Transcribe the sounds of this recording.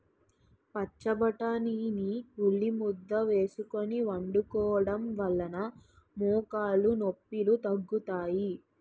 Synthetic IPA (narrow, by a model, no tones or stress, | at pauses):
pɐt͡ʃːɐbɐʈaniniuɭːimud̪ːɐʋe̞ːsuko̞niʋɐɳɖukɔːɽɐmʋɐɭːɐnɐ | muːkaːɭunopːilut̪ɐɡːut̪aːji